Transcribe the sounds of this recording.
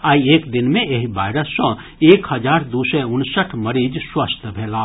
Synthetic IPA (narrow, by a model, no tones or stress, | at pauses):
aːieːkd̪ɪnmẽeɦibaːɪɾəsːɔ̃ | eːkhəd͡ʒaːɾd̪usɛʊnsəʈʰməɾiːd͡ʒswəst̪ʰbʱeːlaː